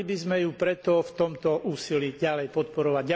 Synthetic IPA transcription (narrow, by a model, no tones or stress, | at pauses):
ibizmɛjupɾɛt̪ɔftt̪ɔmt̪ɔʔuːsiliːɟalɛjpɔt̪̚pɔɾɔʋaɟa